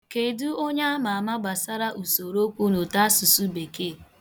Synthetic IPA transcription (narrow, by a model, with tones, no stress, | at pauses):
ke˨du˦o˦ɲa˦a˦ma˨a˨ma˦ɡ͡ba˨sa˦ɾa˦ʔu˨so˨ɾo˦kʷu˦nu˨ta˦a˦su˨su˦be˨ke˦˨